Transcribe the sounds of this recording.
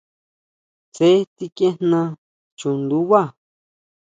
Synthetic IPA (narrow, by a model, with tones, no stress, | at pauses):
t͡se˦t̪i˧kẽ˦n̥nã˧ | t͡ʃũ˨nd̪u˦βa˦˨